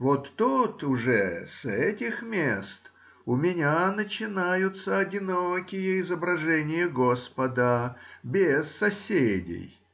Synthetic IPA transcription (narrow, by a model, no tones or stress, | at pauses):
vot̪ːut̪ʊʐɛ̰sɛtʲɪxmʲest̪ | ʊmʲɪnʲanət͡ɕɪnajʊt̪səɐdʲɪnokʲɪjəɪzəbɾɐʐɛnʲɪjəɡospəd̪əbʲesːɐsʲedʲɪ̰j